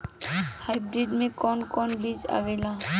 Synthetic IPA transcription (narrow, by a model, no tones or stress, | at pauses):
hajbɾiɖmẽkɔnkɔnbid͡ʒa̰ːʋela